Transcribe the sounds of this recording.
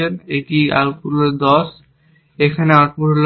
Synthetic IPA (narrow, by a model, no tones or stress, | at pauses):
eneʈia̰lpuleɾd̪ɔʃ | ekʰaneaɾpuɾl